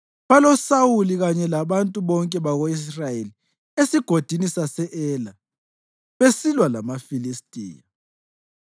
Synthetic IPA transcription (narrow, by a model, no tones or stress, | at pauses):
βalɔsawuliɣaɲɛlaβantʼuβɔŋkʼɛβaɣois̬rajeli | esiɡ̥ʱod̥ʱinisasɛʔɛːla | βesilwala̰mafilistʼḭːja